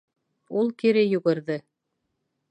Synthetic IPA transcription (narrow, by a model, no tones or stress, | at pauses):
ulˠkiɾɘjŭɣɘ̆ɾðɘ